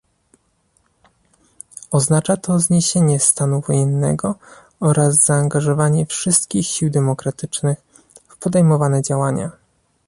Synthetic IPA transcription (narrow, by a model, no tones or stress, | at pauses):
ɔznat͡ʂat̪ʰɔzɲeɕeɲɛst̪anuvɔjɛnːɛ̰ɡɔ | ɔɾazz̥aːŋɡaʐɔvaɲɛfʂɘst̪kʲixɕiwd̪ɛmɔkɾat̪ɘt͡ʂnɘx | fpɔd̪ɛjmɔvanɛd͡ʑawaɲa̰